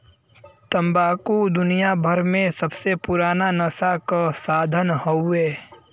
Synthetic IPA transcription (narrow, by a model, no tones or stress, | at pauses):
t̪ə̃mbaːkud̪ʊnijabʱəɾmẽsəbsepʊɾaːnanəsakasaːd̪ʱənɦoweː